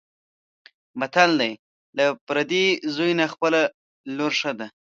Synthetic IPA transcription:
mat̪ald̪aj | lapɾad̪izojnaxpəla | loɾʂad̪a

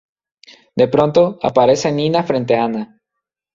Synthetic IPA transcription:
d̪e̞pɾo̞nt̪o̞a̰paɾe̞se̞nĩnafɾe̞nt̪̬eaana

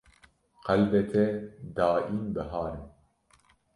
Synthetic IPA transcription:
qælbɛt̪ʰɛd̪aːʔiːnbɨɦɑːɾɨn

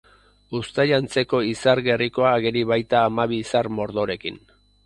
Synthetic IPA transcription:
ust̪ajant͡se̞ko̞isaɾɣe̞riko̞aːɣeɾiβajt̪aːmaβiːsarmo̞ɾðo̞ɾe̞kin

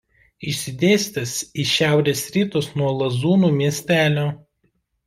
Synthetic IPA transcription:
ɪʃʲsʲɪd̪ʲeːsʲt̪ʲɐsiːʃʲæˑʊɾʲeːsɾʲiːt̪oːsnuɔlˠɐzuːnuːmʲiɛsʲt̪ʲæːlʲoː

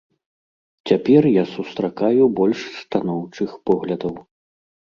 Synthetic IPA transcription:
t͡sʲapʲɛrjasust̪ɾakajubɔlʲʂst̪anɔwt͡ʂɨxpɔɣlʲɐd̪ɐw

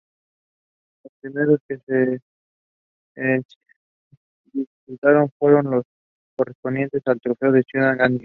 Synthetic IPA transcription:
lospɾime̞ɾo̞ske̞se | d̪ifikut̪aɾo̞ɱfwe̞ɾo̞nlo̞s | ko̞respo̞nd̪je̞nt̪e̞salt̪ɾo̞fe̞oðet͡ʃunaŋɡand̪i

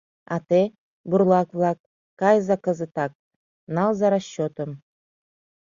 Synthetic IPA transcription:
a̰t̪e | bʊɾlˠɑkvlˠɑkː | ajzakɤ̆zɨt̪ɑk̚ | nɑlˠzaɾaɕːot̪om

